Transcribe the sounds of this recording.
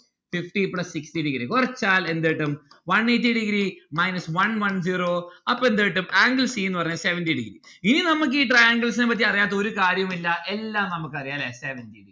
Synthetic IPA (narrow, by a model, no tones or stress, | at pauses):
fifʈiplɐssikstiɖiɡɾikurɐt͡ɕːaːle̞nd̪eːʈːumʋɐneːtːiɖiɡɾimɐjnɐsʋɐnʋɐnd͡ʑiːroːɐpːend̪eːʈːumaːŋɡɐlsiːenːɨpɐrɐɲːaseʋɐndiɖḭɡɾḭininɐmuk̬ːiːʈrɐjaːŋɡɐls̬inepɐt̪̬ːiɐrijaːt̪ːɐoɾukaːɾjɐmilːɐʔelːaːmnɐmukːɨɐrijaːlːeseʋɐndiɖi